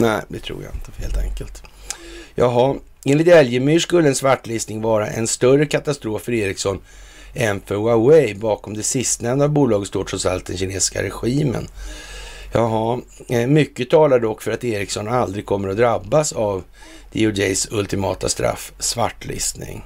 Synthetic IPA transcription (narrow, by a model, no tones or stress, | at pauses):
nɛɪd̪ɛt̪ʰɾṵːɾja̰ɪ̰nt̪ə̥heːlt̪ʰɛ̰ŋkəlt̪ | jɑ̰ːɡɦa | ʔeːnlɪt̪ɛljəmyːʂkɵlːəɛnsvaʈːlɪst̪nɪŋvɑːɾaʔɛ̰nst̪œrəkʰat̪ast̪ɾoːfːœɾeːɾɪksɔnː | ʔɛnfœɾwawɛjbɑːkɔmd̪ɛsɪst̪nɛmnd̪abuːlɑːɡət̪st̪oːʈʰɾɔsalt̪̚d̪ɛnɕɪneːsska̰ɾɛɧiːmə̰n | jɑːɡɦamʏkːət̪ʰɑːlad̪ɔkːfœɾat̪eːɾɪksɔnald̪ɾɪɡ̚kʰɔmːəɾɔd̪ɾabːasav | d̪̥ɪ̰ʊdɛsɵlt̪ɪmɑ̰ːt̪a̰st̪ɾa̰fːsvaʈːlɪ̰st̪nɪ̰ŋ